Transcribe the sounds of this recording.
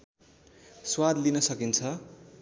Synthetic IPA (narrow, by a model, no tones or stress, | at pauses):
swad̪linʌsʌkint͡sʰʌ